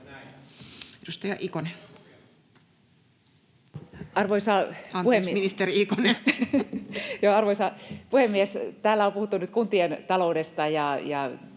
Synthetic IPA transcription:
edust̪ɑjɑʔikone | ɑrʋoisɑpuhemːiminist̪eriikone | joːɑrʋoisɑpuhemːiest̪æːlːæopuhut̪ːunyt̪kunt̪ient̪ɑloudest̪ɑjɑjɑ

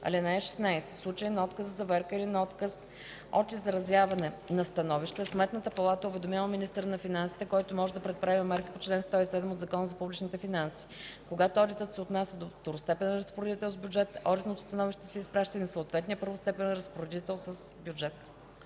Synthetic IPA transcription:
ɐ̰lɛnaɛʃɛ̥snajsɛ̥fslˠut͡ʃəjinɔt̪kəzəzɐvɛɾkəilinɐɔt̪kəs | ɔt̪izɐɾɐzjavɐnɛnɐst̪ɐnɔviʃt̪ɛsmɛt̪nət̪əpɐlˠat̪əʊvɛd̪omʲjalˠminist̪əɾnɐfinansi̥t̪ɛkɔjt̪omɔʒɛd̪ɐpɾɛt̪̚pɾavimmɛɾki̥pot͡ʃlɛnst̪ɔisɛd̪ɛmod̪zɐkɔnəzɐpublit͡ʃnit̪ɛfinansi̥koɡat̪ʊɔd̪it̪ət̪sɛot̪nasʲəd̪oft̪oɾʊst̪ɛpɛnɾɐspoɾɛd̪it̪ɛlˠzbjud͡ʒɛt̪ɔd̪it̪not̪ʊ̥st̪ɐnɔviʃt̪ɛsɛispɾaʃt̪əinɐsəʊt̪vɛt̪nijəpɤɾvʊst̪ɛpɛnɾəspoɾɛd̪it̪ɛlˠsəs | bʲjud͡ʒɛt̪

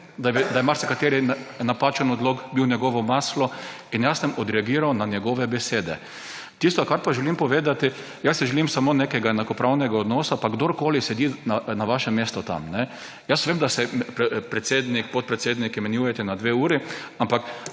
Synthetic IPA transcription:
d̪ad̪ajmaɾsɛkat̪eːɾinapaːt͡ʃɛnɔd̪loːɡbiwnʲjɛɡɔʋɔmaːslɔinjasəmɔd̪ɾɛaɡiːɾawnanjɛɡɔʋɛbɛseːd̪ɛ | t̪ist̪oɔkaɾpaʒɛlimpɔʋeːd̪at̪ɪ | jasiʒɛlimsamoːnekɛɡajɛnakɔpɾʔawnɛɡaɔd̪nɔːsapaɡd̪oːɾkoːlisɛd̪inanaʋaʃɛmest̪ɔt̪a̰mnɛ | jasʋeːmd̪asɛppɾɛt̪seːd̪nik̚pot̪̚pɾɛt̪seːd̪nikjɛmɛnjuːjɛt̪ɛnad̪ʋeuːɾiampak

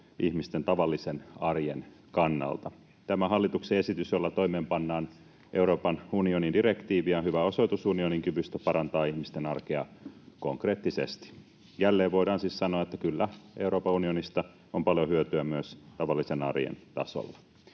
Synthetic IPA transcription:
ʔihmist̪ent̪ɑʋɑlːisenɑrjen | kɑnːɑ̰lt̪ɑ | t̪æmæɦɑlːit̪uksee̞sit̪ysjolːɑt̪o̞imeːmpɑnːɑːn | ʔe̞uɾo̞ːpɑnunionindiɾe̞kt̪iːʋiɑnhyʋæo̞so̞jt̪usunioniŋkyʋyst̪æpɑɾɑnt̪ɑːihmist̪enɑrkeɑ̰koŋkre̞ːt̪ːisḛst̪i̥ | jælːeːʋʋo̞ijdɾɑːnsiːssɑnoɑet̪ːækylːæʔe̞uɾo̞ːpɑunionist̪ɑ | ompɑljohyøt̪yæmyøst̪ɑʋɑlːisenɑ̰rjḛnt̪ɑ̰so̰lːɑ

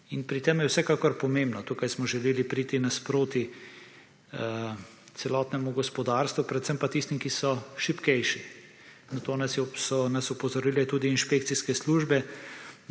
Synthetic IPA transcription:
inpɾit̪emjɛwsɛkaːkɔɾpɔmẽːmbnɔt̪uːkajsmɔʒɛleːlipɾiːt̪inaspɾoːt̪i | t̪sɛlɔːt̪nɛmuɡɔspɔd̪aːɾst̪ʋupɾɛt̪sɛmpat̪ist̪imkisɔʃipkɛjʃi | nɐt̪oːnɐsjɛsɔnasɔpɔzɔɾiːlɛt̪uːd̪iːnʃpeːkt̪siskɛsluːʒbɛ

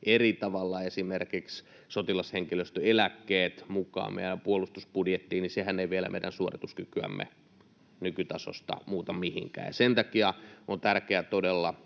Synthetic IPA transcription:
ʔerit̪ɑʋɑlːɑesimerkiks | sot̪ilɑsheŋkiløst̪øelækːeːt̪mukɑ̰ːmḛiiɾæmpuolust̪uspudjet̪ːiːnisehænːeiʋielæ̰mḛidæ̰nsuorit̪uskykyæ̰mːḛ | nykyt̪ɑso̰st̪ɑ̰muːt̪ɑmihiŋkæ̰ːjɑ̰sent̪ɑkiɑont̪ærkeæt̪odelːɑ

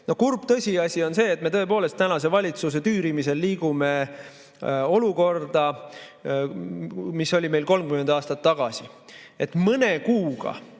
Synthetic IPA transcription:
no̞hkurb̥t̪ɤsʲiɑsʲio̞nse̞ːt̪ːˑme̞t̪ɤ̞e̞po̞ːle̞st̪ænɑs̬e̞vɑlʲit̪sus̬e̞t̪yːɾimise̞lːiːɡ̥ume̞ | o̞luko̞rd̪̥ɑ | miso̞lʲime̞jlko̞lmkymend̪̥ɑːst̪ɑt̪ːɑɡ̥ɑsie̞t̪mɤnekuːɡ̥ɑ̰

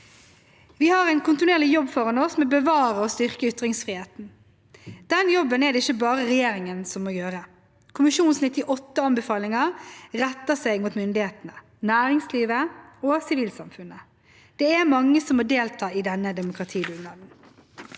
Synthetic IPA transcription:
ʋɪhɑɾæɪnkʰʊnt̪ɪneːʁlɪjɔbːfɔʁɑnɔsmɛbəʋɑːɾəɔst̪ʏʁkəʏt̪ɾɪŋsfʁiːheːt̪n̩ | d̪̥ɛnjɔbːənɛd̪ɛɪçːəbɑːʁəʁɛjeːɾɪŋənsɔmːoːjøːɾə | kʰʊmɪʃuːnsnɪt̪ɪʔɔt̪ːəɑnbɛfɑːlɪŋɑʁɛt̪ːəsɛɪɡmuːt̪mʏnd̪ɪheːt̪ənə | næːɾɪŋsliːʋəoːsɪʋiːlsɑmfʉnə | d̪̥ɛːæɾmɑŋːəsɔmːoːd̪eːlt̪ʰɑːɪd̪ɛnːəd̪ɛmʊkʁɑt̪ʰiːd̪ʉnɑːd̪n̩

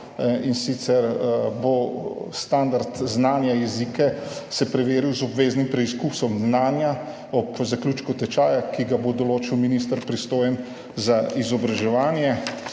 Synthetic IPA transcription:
insit̪sɛɾbost̪and̪aɾt̪znaːnjajɛzikɛsɛpɾɛʋeːɾiwzɔbʋeːznimpɾɛiskusɔmznaːnja | ɔpzaklʲuːt͡ʃkɔt̪ɛt͡ʃaːjakiɡabod̪ɔloːt͡ʃiwminis̬t̪əɾpɾist̪oːjɛn | zaizɔbɾaʒɛʋaːnjɛ

